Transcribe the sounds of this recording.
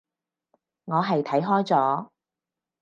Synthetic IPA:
ŋɔː˨˧ɦɐ˨jt̪ʰɐ˨˥jɦɔː˥jt͡sɔː˨˥

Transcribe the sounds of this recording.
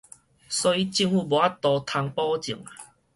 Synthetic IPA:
sɔ˦i˦t͡ɕi˧ŋhu˧bɔ˨a˦t̪ɔ˨˧t̪ʰa˧ŋpɔ˦t͡ɕi˨˩ŋa˨

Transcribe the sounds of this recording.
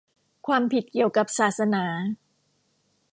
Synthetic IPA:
kʰwaː˧mpʰi˨˩t̪̚ki˨˩əwka˨˩p̚saː˨˩t̪̚sa˧naː˩˦

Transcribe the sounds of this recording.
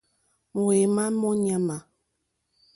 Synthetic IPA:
mu˨e˨ma˦mɔ˦ɲa˦ma˨

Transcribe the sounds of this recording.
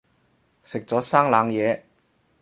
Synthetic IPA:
sɪ˨k̚t͡sɔː˨˥saː˥ŋlaː˨˧ŋjɛː˨˧

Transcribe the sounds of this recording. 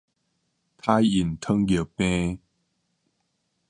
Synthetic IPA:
t̪ʰa˧˥ji˨˩nt̪ʰə˧ŋɡə˨˩pẽ˧

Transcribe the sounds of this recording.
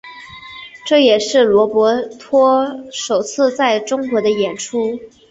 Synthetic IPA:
ʈ͡ʂɤ˥˩jɛ˨˩ʂɻ̩˥˩lwɔ˧˥pwɔ˧˥t̪ʰwɔ˥ʂo˨˩ʊt͡sʰɹ̩˥˧t͡sa˥˩ɪʈ͡ʂʊ˥ŋkwɔ˧˥d̪ə˧jɛ˨˩nʈ͡ʂʰu˥

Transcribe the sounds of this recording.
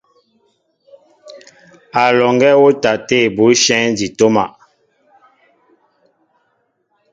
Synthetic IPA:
a˨lɔ˨ŋɡɛ˦wo˦ta˨te˦˨bu˨˦ʃɛ˦d͡ʒi˨to˦ma̰˨

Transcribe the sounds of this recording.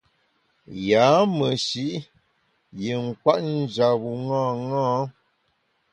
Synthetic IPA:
jaː˨˦mə˨ʃi˦ʔ | je˨ŋ̩˨kwa˦ʔn̩˦d͡ʒa˨bu˨ŋãː˦˨ŋãː˦

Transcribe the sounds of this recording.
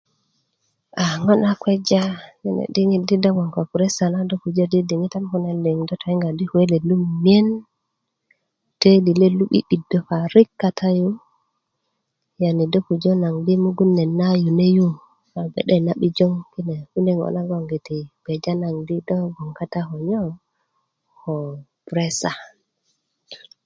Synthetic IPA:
ʔa˨ŋɔ˦nakwɛ˦d͡ʒa˦jinḛ˨di˦ŋi˨di˦da˦ŋɡɔ˨ŋka˨ku˨ɾɛ˦sa˨na˦do˦ku˨d͡ʒa˦di˦di˨ŋi˦ta˦mku˦na˨lːe˨ŋdɔ˦ta˨i˦ŋɡa˨di˦hue˦le˨lu˦mmi˦e˦n | te˦li˨le˦lu˦ɓḭ˦ɗi˨dːɔ˨fa˨ɾi˦kːa˨tʰa˦ju˦ | jani˨dɔ˦ku˨d͡ʒɔ˦na˨ŋdi˦muɡu˦nːɛ˨nːaju˨ne˦ju˦ | fabɛ̰˨ɗɛnaɓi˦d͡ʒɔ˦ŋkine˨ku˦nɛŋɔ̰na˦ɡɔŋɡe˨ti˨b̥ɛd͡ʒana˨ŋdi˦dɔɡɔ˨ŋka˦taɦɔ˨ɲɔ˦ | hɔpɾɛsa

